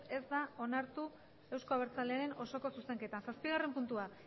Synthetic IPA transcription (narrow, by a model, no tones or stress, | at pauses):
e̞zd̪ao̞naɾt̪u | e̞wsko̞aβ̞eɾt͡sale̞aɾe̞no̞so̞ko̞suse̞ŋke̞t̪ansaspiɣ̞are̞mpunt̪ua